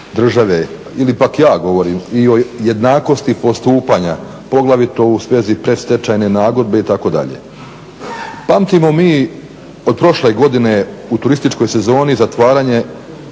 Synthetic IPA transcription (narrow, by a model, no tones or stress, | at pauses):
d̪r̩ʒaʋe̞ | ilipakjaːɡo̞ʋo̞ɾiːmio̞je̞d̪naːko̞st̪ipo̞st̪uːpaːɲa | po̞ɡlˠaʋit̪o̞usʋe̞zipɾe̞st̪et͡ʃaːjne̞naːɡo̞d̪̚be̞it̪ako̞d̪a̰ʎḛ | pamt̪imo̞miː | od̪̚pɾo̞ʃle̞ɡo̞d̪ine̞ut̪uɾist̪it͡ʃko̞jse̞zo̞ːnizat̪ʋaːɾaːɲe̞